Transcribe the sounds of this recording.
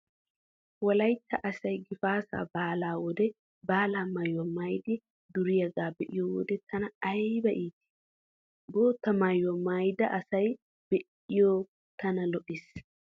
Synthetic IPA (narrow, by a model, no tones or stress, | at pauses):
wɐlɐjt̪ːɐʔɐsɐjɡɪfaːsa̰ːbaːlaːwɔd̪ɛ | baːlaːmɐjːɔmɐjd̪ɪ | d̪ʊɾɪjɐɡaːbɛʔɪjɔwɔ̰d̪ɛt̪ʰɐnɐɐjbɐʔiːt̪ɪ̥ | boːt̪ːɐmɐjɔmajd̪ɐʔɐsɐj | b̥ɛʔ | ɪjoː | t̪ʰɐnɐlɔʔɪs